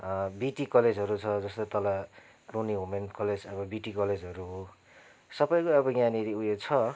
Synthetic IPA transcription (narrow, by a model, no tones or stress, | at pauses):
biʈikʌled͡zɦʌɾut͡sʰʌd͡zʌst̪ot̪ʌla | runiɦomenkʌled͡zʌbʌbiʈikʌled͡zɦʌɾuɦo | sʌbʌjkoʌbʌɡjaniɾiujet͡sʰʌ